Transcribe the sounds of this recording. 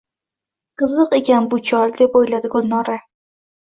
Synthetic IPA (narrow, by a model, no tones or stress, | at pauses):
qɨzɨqekʲanbʊt͡ʃʰɒld̪e̞pojlad̪ɪɡʊnːɒɾa